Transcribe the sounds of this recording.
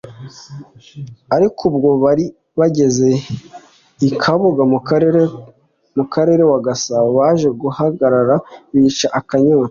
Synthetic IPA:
aɾikʰubɡo̞βaɾi | βaɟe̞ze̞ | ikʰaβuɡameɾ | mukaɾe̞ːɾe̞waɡasaβoβaʒe̞ɡuhaɡaɾaɾaβit͡ʃaʔakaɲaːa

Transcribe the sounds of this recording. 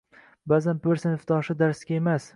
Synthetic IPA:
baːzanbɪɾsɪnɪfd̪ɒʃɪd̪aɾsɡʲaemas

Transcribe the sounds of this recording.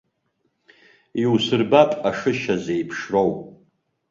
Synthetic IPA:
iwsɨrbapʼaʂɨʃazejpʰʂrowpʼ

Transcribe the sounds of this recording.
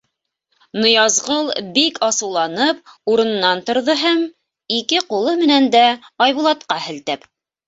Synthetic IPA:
nŏjɑzʁɤlˠbikʰɑsɤ̆wlˠɑnɤp̚uɾɤ̆nɤ̆nːɑnt̪ŏɾðɤɦæm | ikɘqulˠɤmɘ̆nænd̪æɑjβulˠɑt̪qɑhɘ̆lt̪ɘp

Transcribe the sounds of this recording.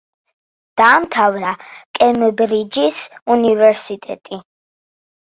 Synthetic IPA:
d̪̥aːmt̪ʰavɾakʼɛmbɾid͡ʒisunivɛɾsit̪ʼɛ̰t̪ʼi

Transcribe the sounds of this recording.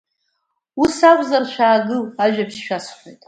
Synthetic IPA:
usakʷʼzarʃʷᶣaːɡɨaʒᶣapʰʃʃᶣasχʷo̰jtʼ

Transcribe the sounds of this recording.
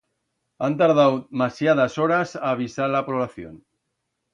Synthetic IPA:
ant̪aɾðawmasjað̞asoɾasaːβ̞isaɾlapɾoβlaθjo̰n

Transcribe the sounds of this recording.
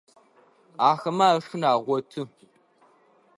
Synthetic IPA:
aːxɐmaːɐʂʊnaːʁʷɔtʰɨ

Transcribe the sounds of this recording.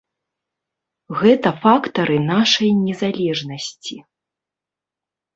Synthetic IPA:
ɣɛt̪ɐfakt̪ɐɾɨnaʂɐjnʲɛzalʲɛʐnɐsʲt͡sʲi

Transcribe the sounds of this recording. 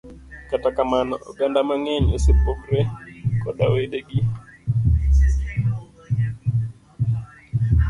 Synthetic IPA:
katakamanɔʔoɡandamaŋɛɲosɪpokɾekɔɗaweɗeɡi

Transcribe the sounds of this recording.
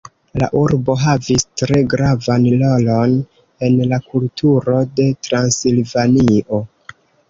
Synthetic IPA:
la̰ʔuɾbo̞ɦavistɾe̞ɡɾavanlolo̞n | e̞nlakultʰuɾo̞de̞tɾansilvaniʔo̞

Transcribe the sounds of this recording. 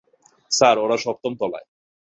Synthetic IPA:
saɾoɾaʃɔp̚t̪omt̪ɔla̰e

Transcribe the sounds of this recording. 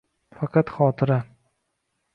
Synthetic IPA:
fɑqʰɑt̪χɒːt̪ʰɪɾa

